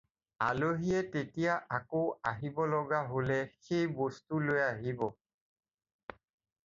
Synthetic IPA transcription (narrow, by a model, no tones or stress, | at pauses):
a̰loɦiɛtetijaʔakoaɦibɔlɔɡaɦolɛxejbɔstulojaɦibɔ